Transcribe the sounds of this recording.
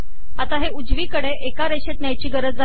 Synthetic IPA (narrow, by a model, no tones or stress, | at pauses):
at̪aɦeud͡zʋiːkəɽeʔekaɾeɕet̪njajt͡ɕiːɡəɾəd͡zd͡za